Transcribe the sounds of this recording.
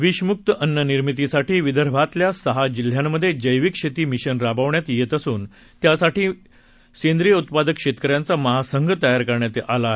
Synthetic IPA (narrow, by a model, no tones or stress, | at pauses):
ʋiɕmuk̚t̪əʔənːjəniɾmit̪̬isaʈʰiːʋid̪əɾbʱat̪ljasəɦad͡ʑil̤jamːəd̪ʱːjed͡ʑəjʋikɕet̪iːmiɕənɾabaʋɳjat̪jet̪əsuːn | t̪jasaʈiː | send̪ɾijəut̪̚pad̪əkɕet̪kəɾjant͡saməɦasəŋɡʱət̪əjaɾkəɾɳjat̪eʔala